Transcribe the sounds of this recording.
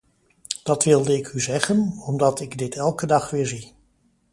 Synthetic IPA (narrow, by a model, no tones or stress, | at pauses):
d̥ɑtʋɪlˠdəɪkyzɛχənɔmdɑtɪɡdɪtɛlˠkədɑχʋɪːɹzi